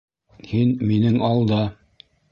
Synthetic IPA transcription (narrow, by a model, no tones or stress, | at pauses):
hinminɘŋɑlˠd̪ɑ